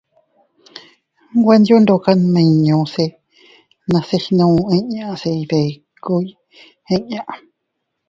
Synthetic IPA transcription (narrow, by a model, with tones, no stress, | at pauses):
ɡʷa˦˧nd̪jo˦nd̪o˧˨ka˦mẽ˧˨ɲõ˨˧se˧ | nã˧se˦˧hi˧nõ˧ẽ˦ɲã˧ʔse˧i˧ðe˨ | ku˧˦i˦ | ẽ˦ɲã˦˧ʔ